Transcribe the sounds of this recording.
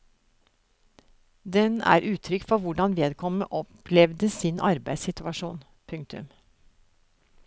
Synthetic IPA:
d̪ɛnæ̰ːɾʔʉːt̪ʰɾʏkfɔɾʋʊɖɑnʋeːd̪kʰɔmə̰ʔɔpʰlɛʋd̪əsɪnʔɑɾbæɪsɪt̪ʉʋɑʃuːn | pʰʉŋk̚t̪ʉ̰m

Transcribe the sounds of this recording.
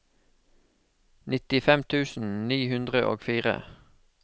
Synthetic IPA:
nɪt̪ɪfɛmt̪ʰʉːsn̩niːhʉnd̪ʁəʔo̰ːɡfiːʁə̰

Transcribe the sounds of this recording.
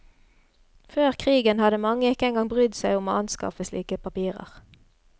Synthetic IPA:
føːʁkʰʁiːɡənhɑd̪əmɑŋːəɪkːəɛŋɡɑŋbʁʏd̪sæɪʊmoːɑnskɑ̰fəsliːkəpʰɑpiːʁə̰ʁ

